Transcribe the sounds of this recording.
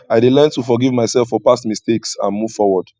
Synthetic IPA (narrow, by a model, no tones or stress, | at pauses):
aɪdelɛ̃ntufɔɡivmaɪsɛlfːɔpasmisteksã̰nmuv̥fɔwɔd̥